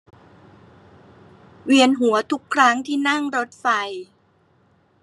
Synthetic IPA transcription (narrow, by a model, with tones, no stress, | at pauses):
wi˧ənɦu˩˦ɐt̪ʰu˦˥kʰːɾa˦˥ŋt̪ʰiː˥˩na˥˩ŋɾo˦˥t̪̚fa˧j